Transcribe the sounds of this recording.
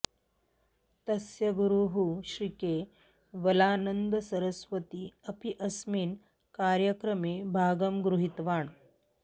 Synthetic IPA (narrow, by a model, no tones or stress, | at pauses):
t̪ɐsjɐɡuɾuɦuɕɾikeː | ʋɐlaːnənd̪əsɐɾəsʋət̪iɐpiʔɐsmiːn | kaːɾjəkɾəmeːbʱaːɡəmɡɾuɦit̪ʋaːɳ